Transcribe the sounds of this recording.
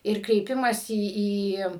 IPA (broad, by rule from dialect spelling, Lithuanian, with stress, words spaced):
ˈɪr krʲɛɪˈpʲɪmɑːsʲɪ ˈiː